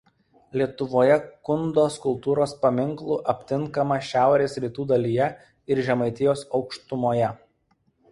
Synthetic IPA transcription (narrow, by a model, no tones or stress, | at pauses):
lʲiɛt̪ʊʋoːjɛkʊnd̪oːskʊlˠt̪uːɾoːspɐmʲɪŋklˠuːʔɐpʲt̪ʲɪŋˑkɐmɐʃʲæˑʊɾʲeːsɾʲiːt̪uːd̪ɐlʲijɛ | ɪɾʒʲɛmɐɪt̪ʲɪjoːsɒʊkʃt̪ʊmoːjɛ